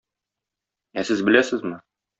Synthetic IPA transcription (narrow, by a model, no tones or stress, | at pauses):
æsɘzbɘ̆læsɘzmɘ